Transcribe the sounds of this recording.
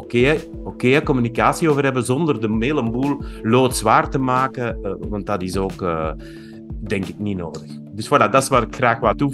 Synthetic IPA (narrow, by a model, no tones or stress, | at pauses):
oke | okeːɛkɔmynikaːsioːvərɦɛbəzɔndərdəmeːləmbulˠloːtz̥ʋaːrtəmaːkəʋɑnt̚dɑtɪsoːkː | dɛŋkɪkninoːdəx | dʏswaladɑsʋaːɾɪkxraːxʋaːtu